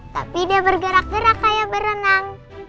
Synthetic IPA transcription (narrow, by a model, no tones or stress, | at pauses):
t̪a̰pidiabərɡəɾak̚ɡəɾakːajabəɾənaŋ